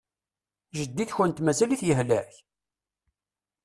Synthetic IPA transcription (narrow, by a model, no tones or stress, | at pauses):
ʒəd̪ːiθçənt̪mæzæliθjəɦlæç